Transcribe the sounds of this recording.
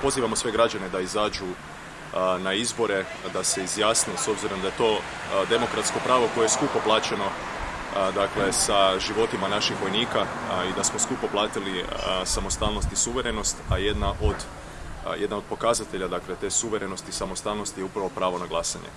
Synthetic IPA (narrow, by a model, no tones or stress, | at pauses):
po̞ziːʋamo̞sʋe̞ɡɾad͡ʒane̞d̪aizaːd͡ʒu | naizbo̞ɾe̞d̪ase̞izjaːsniso̞bziɾond̪ajet̪o̞ː | d̪e̞mo̞kɾat̪sko̞pɾaːʋo̞ko̞jeeskupaplˠaːt͡ʃe̞no̞ | d̪akle̞saʒiʋo̞t̪imanaʃixʋo̞jniːkaid̪asmo̞skupaplˠaːt̪ilisamo̞st̪aːlno̞st̪isuʋe̞ɾeno̞st̪aje̞d̪naʔo̞d̪ | je̞d̪naopo̞kazat̪e̞ʎad̪akle̞t̪e̞ːsuʋe̞ɾe̞no̞st̪isamo̞st̪aːlno̞st̪ijeupɾaʋo̞pɾaːʋo̞naɡlˠaːsaɲḛ